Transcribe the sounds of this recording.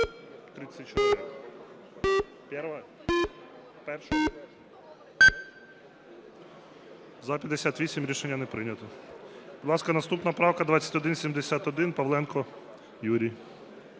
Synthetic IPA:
t̪ɾɪt͡sʲɐt̚ʲt͡ʃɔɪɪ | pʲɛɾʋɐ | pɛrʃɛ | zɐpʲɐd̪esʲat̪ʋʲisʲimʲɾʲiʃenʲːɐnɛpɾɪnʲɐt̪ɔb̥ʊd̪lˠɑskɐnɐst̪upnɐpɾɑwkɐd̪ʋat͡sʲɐ̥tʲɔd̪ɪnsʲimd̪esʲat̪ɔd̪ɪnpɐʋlˠɛnkɔ | juɾʲij

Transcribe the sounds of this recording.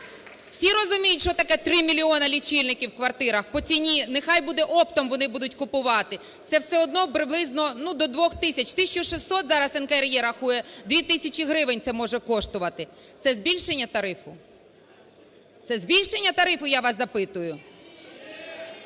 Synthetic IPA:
w̥sʲiɾɔzʊmʲijʊtʲʃt͡ʃɔt̪ɐkɛt̪ɾɪmʲilʲiɔnɐlʲit͡ʃilʲnɪkʲiwkʋɐrt̪ɪɾɐxpɔt͡sʲinʲinexɑjbud̪ɛʔɔpt̪ɔmʋɔnɪbud̪ʊtʲkʊpʊʋɑt̪ɪ | t̪sɛwsɛɔd̪nɔpɾɪblˠɪznɔnud̪ɔd̪ʋɔxt̪ɪsʲɐt͡ʃʲt̪ɪsʲt͡ʃɔʃɪsːɔt̪zɑɾɐsɛnkeɾjɛɾɐxujɛd̪ʋʲit̪ɪsʲɐt͡ʃʲiɦɾɪʋɪnʲt̪ɛmɔʒɛkɔʃt̪ʊʋɐt̪ɪ | t̪sɛzʲbʲilʲʃenʲːɐt̪ɐɾɪfʊ | t̪sɛzʲbʲilʲʃe̞nʲːɐt̪ɐɾɪfʊjaʋɑsɐpɪt̪ʊjʊ

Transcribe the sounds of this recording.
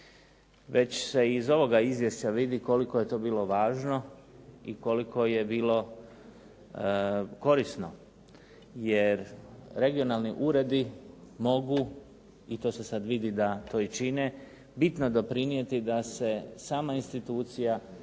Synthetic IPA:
ʋe̞t͡ɕse̞izo̞ʋo̞ɡaizʋje̞st͡ɕaʋid̪iko̞likoje̞t̪o̞ːbiːlo̞ʋaːʒno̞iko̞likʰo̞je̞biːlo̞ | ko̞ɾisno̞̰ | jeɾɾe̞ɡio̞nalˠniʔuːɾe̞d̪imo̞ɡu | it̪o̞ːse̞sad̪ʋid̪id̪at̪ʰo̞ːit͡ʃine̞ | bit̪no̞d̪o̞pɾinje̞t̪id̪ase̞saːmainst̪it̪uːt̪sija

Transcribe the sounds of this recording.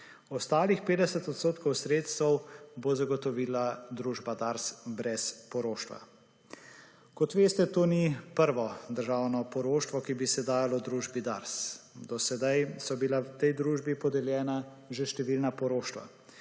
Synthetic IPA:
ɔst̪aːlixpeːd̪ɛsɛt̪ɔt̪st̪oːt̪kɔwsɾeːt̪st̪ɛwbozaɡɔt̪ɔʋiːlad̪ɾuːʒbad̪aɾsbɾɛspɔɾoːʃt̪ʋa̰ | kɔt̪ʋeːst̪ɛt̪oːnipəɾʋɔd̪əɾʒaːwnɔpɔɾoːʃt̪ʋɔkibisɛd̪aːjalɔd̪ɾuːʒbid̪aɾsd̪ɔsɛd̪ajsɔbilawt̪ɛjd̪ɾuːʒbipɔd̪ɛljɛːna | ʒeʃt̪ɛʋiːlnapɔɾoːʃt̪ʋa̰

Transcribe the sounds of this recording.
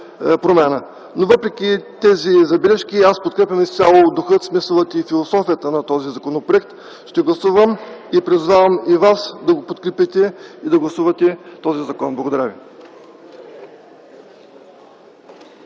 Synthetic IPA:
pɾomɛnə | novɤpɾɛk̟ʲit̪ɛzizɐbilɛʃk̟ʲiaspot̪̚kɾɛpʲjɐmist̪ʲalˠod̪ʊxɤt̪smisəlˠət̪ifilˠosɔfijət̪ənɐt̪ɔzizɐkonopɾoɛk̚t̪ | ʃt̪ɛɡlˠɐsuvəmipɾizvavəmivasd̪ɐɡopot̪kɾɛpit̪ɛid̪ɐɡlˠɐsuvɐt̪ɛt̪ɔzizɐkɔnblˠɐɡod̪ɐɾavḭ

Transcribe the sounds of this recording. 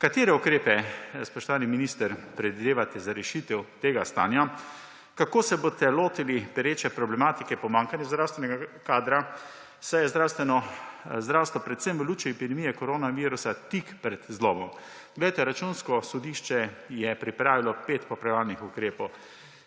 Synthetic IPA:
kat̪eːɾɛukɾeːpɛspɔʃt̪ɔʋaːniminiːst̪əɾpɾɛd̪ʋid̪eːʋat̪ɛzaɾɛʃit̪ɛwt̪eːɡast̪a̰ːnja | kakoːsɛbot̪ɛloːt̪ilipɛɾeːt͡ʃɛpɾɔblɛmaːt̪ikɛpɔmaːŋkanjɛzd̪ɾawst̪ʋɛnɛɡakaːd̪ɾa | sajɛzd̪ɾaːwst̪ʋɛnɔzd̪ɾawst̪ʋɔpɾɛt̪sɛmʋəluːt͡ʃuɛpid̪ɛmijɛkɔɾoːnaʋiːɾusat̪ikpɾɛd̪̥zlɔːbɔm | ɡlejt̪ɛɾat͡ʃunskɔsɔd̪iːʃt͡ʃɛjɛpɾipɾaːʋilɔpeːt̪pɔpɾɛʋaːlnixukɾeːpɔw

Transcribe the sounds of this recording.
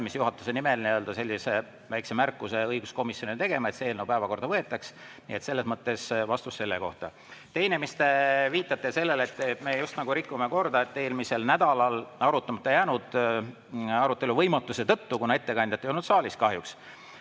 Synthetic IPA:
misjuɦɑt̪ːˑu̥senimelinejøld̪̥ɑse̞lːise̞ | væjksemærkːˑuse̞ɤjɡ̥usko̞misjo̞nint̪e̞ɡe̞mɑe̞t̪seeːlnowpæevɑko̞rd̪ɑvɤet̪ːˑɑks | nḭet̪se̞lːe̞smɤt̪ːe̞svɑst̪usːe̞lːeko̞̰ht̪ɑ | t̪e̞jnemist̪eviːt̪ːˑɑt̪ːˑese̞lːe̞let̪ːme̞just̪nɑɡ̥uɾikːumeko̞rd̪ɑet̪ːe̞ːlmise̞lnæd̪ɑlɑlɑɾut̪ːˑɑmɑt̪ːˑejæːnud̪̥ | ɑɾut̪ːˑe̞luvɤjmɑt̪ːˑuse̞t̪ɤ̞t̪ːukunɑe̞t̪ːe̞kɑnʲd̪̥ʲjɑt̪ːejonut̪sɑːlʲiskɑɦjuks

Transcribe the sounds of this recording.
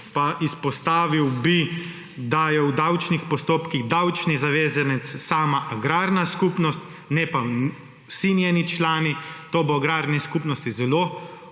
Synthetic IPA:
paʔispɔst̪aːʋiwbi | d̪ajɛwd̪awt͡ʃnixpɔst̪oːpkiɣd̪awt͡ʃnizaʋeːzanɛt̪sːaːmaʔaɡɾaːɾnaskuːpnɔst̪ | nɛpa | sinjɛːnit͡ʃlaːnit̪oːbɔaɡɾaːɾnɛskuːpnɔst̪izɛloː

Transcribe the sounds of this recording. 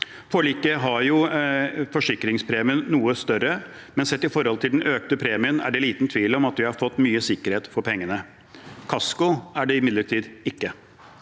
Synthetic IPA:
fɔɭiːkəɦɑɾjʊ | fɔʂɪkːɾɪŋspʰɾeːmɪənːuːəst̪œɾə | mɛnsɛt̪ːɪfɔɾhɔlt̪ʰɪld̪nʔøːk̚t̪əpʰɾeːmɪənæ̰ɖɛliːt̪nt̪ʰʋiːlɔmɑt̪ʋɪhɑɾfɔt̪ːmyːəsɪkːəɾheːt̪fɔɾpʰɛŋːənə | kʰɑskʊæɖɛɪmɪd̪ləʈʰiːd̪ɪkːə

